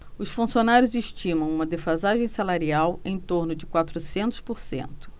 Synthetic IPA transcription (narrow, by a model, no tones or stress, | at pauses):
ʊsfũsionaɾjʊzeʃt͡ʃĩmɐ̃w̃ũmɐd̪efazaʒẽj̃salaɾiawẽj̃t̪oɾnʊd͡ʒɪkwat̪ɾʊsẽnt̪ʊ̥spoɾsḛ̃nt̪ʊ̥